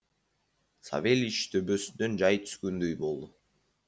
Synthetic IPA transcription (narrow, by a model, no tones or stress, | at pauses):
sa̰ve̞lit͡ʃt̪ʰøbø̞synd̪ø̞nd͡ʒɑjt̪ʰy̥z̥ɡønd̪øjbo̞lˠd̪ʊ